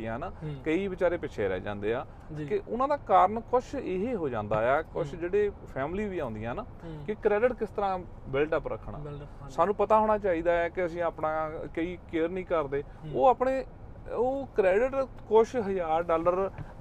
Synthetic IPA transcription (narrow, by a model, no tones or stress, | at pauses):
jãːnakəiːʋɪt͡ʃaːɾeːpɪt͡ʃʰḛːɾɛ̰ːd͡ʒã̰ːnd̪eːaː | keʔʊnãːd̪aːkaːɾəɳkʊʃʰeːɦeɦoːd͡ʒã̰ːnd̪a̰ːɛːkʊʃʰd͡ʒeːɽeːpʰɛːmliːʋiːãːʊ̃nd̪jãːnaːkɪkɾɛːɖɪʈkɪst̪əɾãː | ʋɛːlʈəpɾə̰kʰːɳa̰ː | saːnũːpət̪aːɦoːɽ̃aːt͡ʃaːiːd̪aːɛːkɪəsĩːaːpnãːkəiːkeːəɾnĩːkəɾd̪eː | oːaːpɳeː | oːkɾɛːɖɪʈ | kʊʃʰɦəjaːɾɖaːləɾ